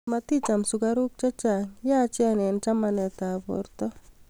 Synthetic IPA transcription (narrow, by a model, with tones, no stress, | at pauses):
mat̪i˦t͡ʃa˨msʊ˨ɡaɾu˦k̚t͡ʃɔ˦t͡ʃa˨ŋja˦t͡ʃjanɛ˨nt͡ʃa˦manɛta˨pɔ̰ɾt̪ɔ˦